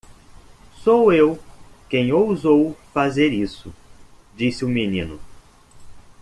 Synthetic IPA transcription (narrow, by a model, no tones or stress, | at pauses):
sowewkẽj̃owzowfazeɾisʊ | d͡ʒisɪʊminĩnʊ